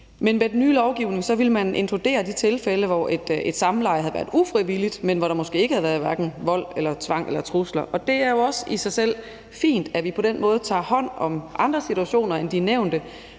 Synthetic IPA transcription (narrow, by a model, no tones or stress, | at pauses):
menmed̥nyːlɒʊɡ̥iʊne̝ŋsɒ̽ʋiləmæne̝nt͡sʰʁud̥e̝̰ːɐd̥it͡sʰe̝lfeləʋɒʔed̥ed̥sɑ̈m̩lɑ̈ɪ̰hɦæðˠʋæːɐðˠufʁiʋilid̥menʋɒɾ̥ɑ̈mɒ̽sɡ̥e̝̰ːeɡ̥əhæð̩ˠʋæɐð̩ˠʋæɐɡ̥n̩ʋɒ̽l̰elɐt͡sʰʋɑ̈ŋ̰ʔelɐt͡sʰʁuslɐʔɒ̽d̥e̝æɐjo̝ɒ̽sisɑ̈ɪsel̰ | fḭːnd̥æʋipʰɒ̽ɾ̥enmɔ̽ːð̞̩ˠt͡sʰɑ̰̈ːhɒ̽n̰ɒ̽mʔɑ̈nd̥ʁɐsit͡sʰuæɕo̝̰ːnɐend̥ineʊ̰nd̥ə